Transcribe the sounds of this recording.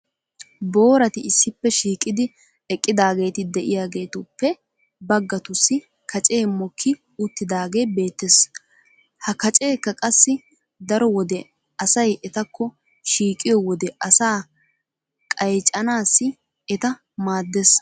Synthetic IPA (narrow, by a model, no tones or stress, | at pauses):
bo̞ːɾɐt̪ɪɪsːɪpːɛʃiːkʼːɪd̪ɪ | ɛkʼːɪd̪aːɡe̞ːt̪ɪd̪ɛʔɪjaːɡe̞ːt̪ʊpːɛ | bɐɡːɐt̪ʊsːɪ | kʰɐt͡ʃʼe̞ːmɔkʰːɪ | ʊt̪ːɪd̪aːɡe̞ːbe̞ːt̪ːes | hɐkɐt͡ʃʼe̞ːkːɐkʼɐsːɪ | d̪ɐɾɔwɔd̪ɛ | ɐsɐjʔɛt̪ɐkʰːɔ | ʃiːkʼːɪjɔwɔd̪ɛʔɐsaː | kʼɐjt͡ʃʼɐnaːsːɪ | ɛt̪ɐ | maːd̪ːes